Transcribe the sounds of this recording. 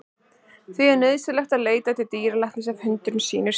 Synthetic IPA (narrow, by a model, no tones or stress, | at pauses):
θviɛɾnðsɪlɛxt̪aðleːjt̪at̪ʰɪt̪iːɾalaht̪nɪsavhʏnt̪ɾʏnsḭːnɪɾ̥